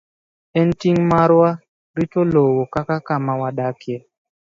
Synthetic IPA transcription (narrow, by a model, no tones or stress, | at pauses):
ɛntiŋmaɾwa | ɾitolowokakakamawaɗakje